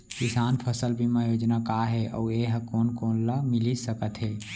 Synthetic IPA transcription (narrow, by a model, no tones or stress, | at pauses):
kɪsaːnpʰəsəlbʱimãjoːd͡ʒnakaːɦɛʔɔ̰ːeɦəkoːnkoːnlamɪlisəkət̪ɦɛː